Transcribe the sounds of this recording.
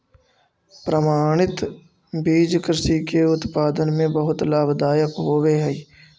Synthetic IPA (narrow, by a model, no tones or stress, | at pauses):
pɾəmaːɽ̃ɪt̪ | biːd͡ʒkɾɪsikeʊt̪paːd̪ənmẽbəɦʊt̪laːbd̪aːjəkɦoːʋeɦɛ